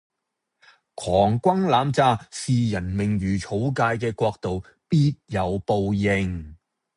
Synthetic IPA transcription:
kʰɔː˨˩ŋkʷɐ˥ŋlaː˨˧mt͡saː˧siː˨jɐ˨˩nmɪ˨˩ŋjyː˨˩t͡ʃʰo˨˧˥wkaː˧jkɛː˧kʷɔː˧k̚t̪o˨w | piː˥t̚jɐ˨˧wpo˨˧wjɪ˨˧ŋ

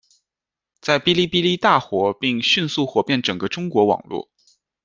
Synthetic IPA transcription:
t͡sa˥˩ɪpi˥li˥˧pi˥li˥˧t̪a˥˩xwɔ˧˥pi˥˧ŋɕy˥˧nsu˥˩xwɔ˨˩pjɛ˥˩nʈ͡ʂɤ˨˩ŋɡə˦ʈ͡ʂʊ˥ŋkwɔ˧˥wɑ̰˨˩ŋlwɔ̰˥˩

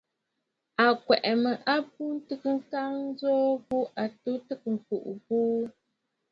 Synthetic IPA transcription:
a˨kwɛ˨ʔɛ˨mə˨ʔa˦p̚u˦n̩˦tɨ˦kɨ˦ŋ̩˦ka˦ŋn̩˦zɔː˦ɣu˦ʔa˨tu˦tɨ˦k̚ŋ̩˨ku˨ʔbuː˦

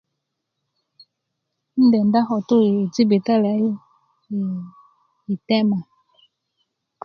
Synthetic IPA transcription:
n̩˦dɛ˨nda˦ɦɔ˨tu˦˨ti˦be˨ta˦la˨˦˨ | i˨tɛ˦ma˨

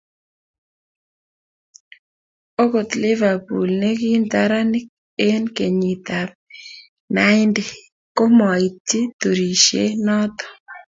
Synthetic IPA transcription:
o˦ko˨t̪lɪ˦va˨pu˨lne˦ki˦nt̪a˦ɾa˦nɪ˦k | e˦nke˨ɲi˨t̪a˨p | na˦ɪ˦nde˨ | ko˦mɔ˨i˨tːi˦t̪o˨ɾi˨ʃḛ˦nɔ˦t̪ɔ̥˨

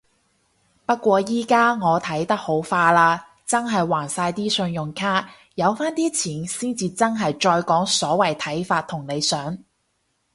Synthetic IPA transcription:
pɐ˥t̚kʷɔː˧jiː˥kaː˥ŋɔː˨˧t̪ʰɐ˨˥jt̪ɐ˥k̚ho˨˥wfaː˧laː˧ | t͡sɐ˥nɦɐ˨jwaː˨˩nsaː˧jt̪iː˥sɵ˧njʊ˨ŋkʰaː˥ | jɐ˨˧wfaː˥nt̪iː˥t͡sʰiː˨˩nsiː˥nt͡siː˨˧t͡sɐ˥nɦɐ˨jt͡ʃɔː˧jkɔː˨˥ŋsɔː˨˥wɐ˨˩jt̪ʰɐ˨˥jfaː˧t̪̚ʰʊ˨˩ŋne˨˧jsœː˨˥ŋ

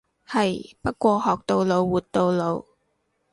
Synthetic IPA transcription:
hɐ˨jpɐ˥t̚kʷɔː˧hɔː˨k̚t̪o˧wlo˨˧wwuː˨˩t̪̚t̪o˨˧wlo˨˧w

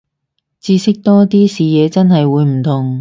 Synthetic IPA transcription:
t͡siː˧sɪ˥k̚t̪ɔː˥t̪iː˥siː˨jɛː˨˧t͡sɐ˥nɦɐ˨jwuː˨˧jm̩˨˩t̪ʰʊ˨˩ŋ

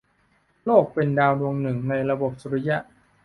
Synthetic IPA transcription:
loː˥˩k̚pe˧ndaː˧wɾu˧əŋnɯ˨˩ŋna˧jɾa˧bo˨˩p̚su˨˧ɾi˦˥ja˦˥ʔ

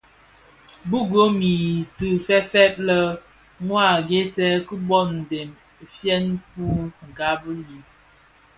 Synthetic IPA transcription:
bu˦ɡo˦mi˨tɨ˨fɛ˦fɛ˦t̚lə˦ | ŋwa˦˨ɡe˦sɛ˦kə˦bɔ˦˨n̩˨de˨m˨ | fjɛ˦npu˦ŋ̩˨ɡa˦bə˦li˨

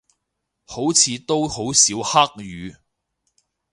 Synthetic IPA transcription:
ho˨˥wt͡sʰiː˨˧t̪o˥who˨˥wsiː˨˥whɐ˥k̚jyː˨˧

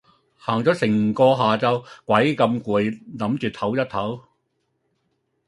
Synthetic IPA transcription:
haː˨˩ŋt͡sɔː˨˥sɪ˨˩ŋ˨kɔː˧ɦaː˨t͡sɐ˧wkʷɐ˨˥jkɐ˧mkuː˨˩jnɐ˨˥mt͡ʃyː˨t̪ʰɐ˨˥wjɐ˥t̚t̪ʰɐ˨˥w

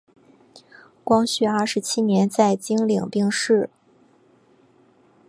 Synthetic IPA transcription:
kwɑ˥ŋɕy˥˧a˞˥˩ʂɻ̩˧˥t͡ɕʰi˥njɛ˧˥nt͡sa˥˩ɪt͡ɕi˥ŋli˨˩ŋpi˥˧ŋʂɻ̩˥˩

